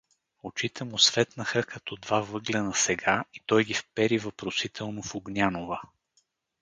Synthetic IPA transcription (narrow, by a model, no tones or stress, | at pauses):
ot͡ʃit̪ʰɛmʊsvɛt̪nəxəkɐt̪ɔd̪vavɤɡlʲɛnɐsɛɡait̪ɔjɡʲifpɛɾivɐpɾosit̪ʰɛlˠnofoɡnʲanovə